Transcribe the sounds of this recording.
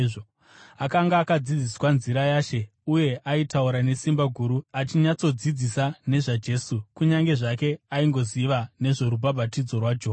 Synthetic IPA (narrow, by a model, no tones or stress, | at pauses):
o | akaŋɡaːkad͡zid͡ziswanziɾajaʃe̞ | uje̞ʔaitauɾane̞simbaɡʱuɾuat͡ʃiɲat͡so̞d͡zid͡zisane̞ʐad͡ʒe̞ːsukuɲaŋɡe̞ʐake̞aiŋɡo̞ziʋane̞ʐo̞ɾubʱabʱatid͡zo̞rwad͡ʒoː